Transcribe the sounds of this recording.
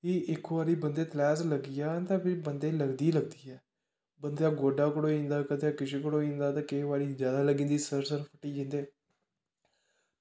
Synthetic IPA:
kiʔɪkʋaːɾiːbənd̪eːt̪lɛːzləɡijaːt̪ãːpiːbənd̪eːləɡd̪iːləɡ̚d̪iːɛː | bənd̪jaːɡoːɖaːkʊɽoːĩːnd̪aːkət̪jaːkɪʃiːkʊɽoːĩːnd̪aːt̪ãːkeʋaːɾiːzjaːd̪aːləɡĩːnd̪iːsəɾsəɾpʰəʈiːd͡ʒɪ̃nd̪eː

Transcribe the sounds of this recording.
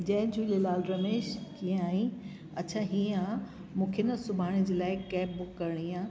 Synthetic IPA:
d͡ʑɐ̃ɦɪ̃d͡ʑuːlelaːlɾɐmeːʃt͡ɕĩːaːĩ | ɐt͡ɕʰaɦĩãː | mũːkʰenɐsʊbʱaːɽ̃id͡ʑeːlaːɪkɛːp̚bʊkːɐɾɪɽ̃iãː

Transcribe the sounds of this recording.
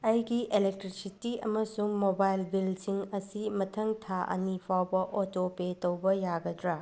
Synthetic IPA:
ɐjɡielek̚tɾisitiɐmɐsuŋmobajlbilsiŋɐsimɐtʰɐŋtʰaʔɐ̰nipʰawbɐʔotopetɐwbɐjaɡɐdɾa

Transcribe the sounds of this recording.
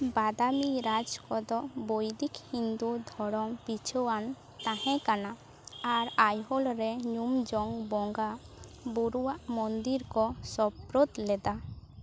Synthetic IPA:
bad̪amiɾad͡ʒkɔd̪ɔʔbojd̪ikhind̪ud̪ʱɔɽɔmpit͡ʃʰowan | t̪ãhɛ̃kana | aɾajɦɔlɾɛɲumd͡ʒɔŋbɔŋɡa | buɾuwaʔmɔnd̪iɾkɔsɔbpɾot̪lɛd̪a

